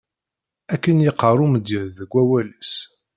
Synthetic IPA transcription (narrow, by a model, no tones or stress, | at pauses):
ækːənjɪqːərˤumd̪iɾðəɡʷːæwælæs